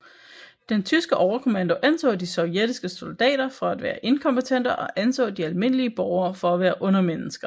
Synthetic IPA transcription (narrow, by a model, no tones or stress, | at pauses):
d̥ent͡sʰysɡ̥əʔɒʊɐkʰo̝mænd̥o̝ʔænt͡sʰɔ̰̽ːdisɒ̽ʊjed̥isɡ̥əso̝ld̥ɛ̰ːɾ̥ɐfɒ̽æd̥ʋæːɐʔe̝nkʰɒ̽mbət͡sʰen̰d̥ɐʔɒ̽ʔænsʰɔ̰ːdiælme̝n̰əliəb̥ɒʊɐːfɒ̽æʋæːɐʔɔ̽nɐmenəsɡ̥ɐ